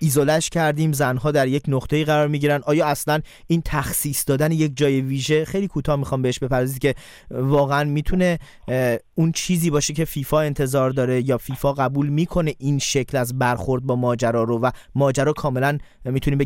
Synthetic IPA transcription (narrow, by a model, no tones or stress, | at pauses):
izolæʃcʰæɾd̪iːmzænɦɒːd̪æɾjecʰnoxt̪ʰeiːɣæɾɒːɾmiɟiːɾænd̪ʔɒːjɒːæslæn | iːnt̪ʰæxsiːsd̪ɒːd̪ænejec̚ʰd͡ʒɒːje̞viːʒe̞xejliːkʰuːt̪ʰɒːhmixɒːmbeeʃbe̞pʰæɾd̪ɒzicʰe̞ | vɒːɣeænmiːt̪ʰune̞ | unt͡ʃʰiːziːbɒːʃecʰe̞fiːfɒːe̞nt̪ʰe̞zɒːɾd̪ɒːɾe̞jɒːfiːfɒːɣæbuːlmiːkʰo̞ne̞ʔinʃecʰlæzbæɾxo̞ɾd̪̚bɒːmɒːd͡ʒæɾɒːɾovæmɒːd͡ʒæɾɒːkʰɒːme̞læn | miːt̪ʰuniːmbe